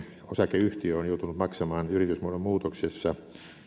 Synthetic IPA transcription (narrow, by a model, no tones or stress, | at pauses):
osɑkeyht̪iøonjout̪unut̪mɑksɑmɑːnyrit̪ysmuodommuːt̪oksesːɑ